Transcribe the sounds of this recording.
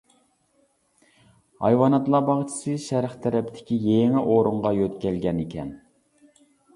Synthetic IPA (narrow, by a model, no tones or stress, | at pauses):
hɑ̰jwɑnɑt̪lˠɑbɑʁt͡ʃʰɪ̥sɨʃæɾχt̪ʰɛɾɛpʰd̪ʰɪ̥kʲijeŋɪʔoɾuɴʁɑjøt̪kʲɛlɡʲɛnekʲɛ̰n